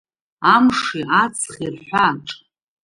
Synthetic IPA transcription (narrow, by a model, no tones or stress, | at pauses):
amʂiʔat͡sʰχirħʷaʈ͡ʂʼ